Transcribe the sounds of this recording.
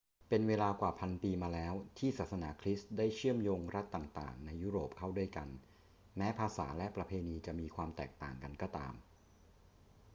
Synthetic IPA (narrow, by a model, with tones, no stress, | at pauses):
pe˧nweː˧laː˧kwaː˨˩pʰa˧npiː˧maː˧lɛː˦˥wt̪ʰiː˥˩saː˨˩sa˧naː˩˦kʰɾi˦˥sdaː˥˩jt͡ɕʰɯ˥˩əmjoː˧ŋɾa˦˥t̪ːaː˨˩ŋt̪a̰ː˨˩ŋna˧jːuː˦˥ɾoː˨˩p̚kʰa˥˩wdu˥˩əjka˧n | mɛː˦˥pʰaː˧sa̰ː˩˦lɛ˦˥ʔpɾa˧pʰeː˧niː˧t͡ɕa˨˩miː˧kʰwaː˧mt̪ɛː˨˩k̚t̪a̰ː˨˩ŋka˧nkɔː˥˩t̪a̰ː˧m